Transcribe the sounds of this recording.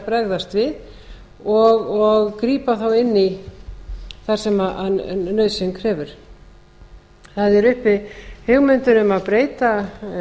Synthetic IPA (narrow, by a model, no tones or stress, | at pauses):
pɾɛɣðast̪vɪð | ɔɣɔɣkɾiːpaθawɪnːi | θaɾ̥sɛmaʔnœɥðsɪŋkʰɾɛːvʏɾ̥ | θaðɛɾʏhpɪhʏɣmʏnt̪ʏnʏmaðpɾeːjt̪a